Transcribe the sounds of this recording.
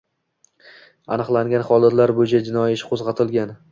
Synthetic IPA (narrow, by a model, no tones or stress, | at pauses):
anɨqlˠaŋɡʲanχɒd̪ˠat̪laɾbojɪt͡ʃʰad͡ʒɪnɒjɪʃqʰozʁɑt̪ʰɪlɡʲan